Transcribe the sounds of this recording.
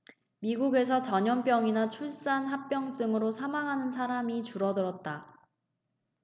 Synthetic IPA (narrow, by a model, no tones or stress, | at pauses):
miɡuɡe̞sʰʌt͡ɕʌɲʌnp͈jʌŋinat͡ɕʰuɭs͈anɦap̚p͈jʌŋs͈ɯŋɯɾosʰamaŋɦanɯns̬ʰaɾamit͡ɕuɾʌdɯɾʌt̚t͈a